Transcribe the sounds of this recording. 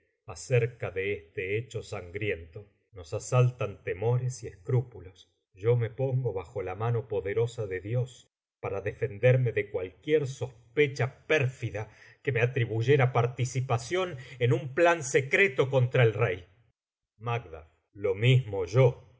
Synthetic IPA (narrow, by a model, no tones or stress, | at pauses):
aseɾkaðeest̪eet͡ʃo̞saŋɡɾje̞nt̪o̞ | no̞sasalt̪ant̪emo̞ɾesieskɾupulo̞s | ʒo̞me̞po̞ŋɡo̞βaxo̞lamano̞po̞ðe̞ɾo̞saðe̞ðjo̞s | paɾaðe̞fe̞nd̪eɾme̞ðekwalkjeɾso̞spet͡ʃapɛɾfiða | keme̞at̪ɾiβuʒe̞ɾapaɾt̪isipasjo̞nenumplanse̞kɾet̪o̞ko̞nt̪ɾaelrej | maɡ̚d̪a̰β | lo̞mizmoʒo